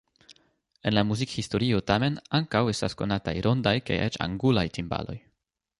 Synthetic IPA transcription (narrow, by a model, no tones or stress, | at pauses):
enlamuzikhisto̞ɾio̞tame̞naŋkawe̞stasko̞nata̰jɾo̞ndajka̰jet͡ʃa̰ŋɡulajtimba̰lo̞̰j